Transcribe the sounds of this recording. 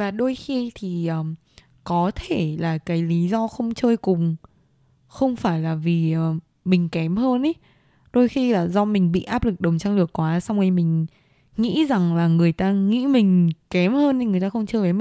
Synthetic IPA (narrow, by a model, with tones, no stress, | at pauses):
vaː˨˩ɗo˧jxi˧t̪ʰi˨˩ʔəː˨˧˩ | kɔ˨˦t̪ʰe˧˩laː˨˩kaː˨˦jli˨˦zɔ˧xə˧wŋ͡mt͡ɕəː˧jkʊ˨˩ŋ͡m | xə˧wŋ͡mfaː˧˩jlaː˨˩vi˨˩ʔəː˨˩ | mï˨˩ŋ̟kɛ˨˦mhəː˧nʔə˨˦ | ɗo˧jxi˧laː˨˩zɔ˧mï˨˩ŋ̟ɓḭ˧˨ʔaː˦˥p̚lɨ˨˩k̚ɗə˨˩wŋ͡mt͡ɕa˧ŋlɨ˨˩əkːwaː˨˦sa˧wŋ͡mŋi˧mï˨˩ŋ̟ | ŋḭ˧˥za˨˩ŋlaː˨˩ŋɨ˨˩əjt̪aː˧ŋḭ˧˥mï˨˩ŋ̟kɛ˨˦mhəː˧n˧˩ŋɨ˨˩əjt̪aː˧xə˧wŋ͡mt͡ɕəː˧jvəː˨˦i˨